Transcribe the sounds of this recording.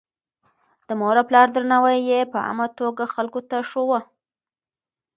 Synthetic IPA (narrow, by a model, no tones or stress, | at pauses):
d̪̥əmoɾaplɑɾd̪ɾanɑwajːepəa̰mat̪oɡaxalkot̪aʂowə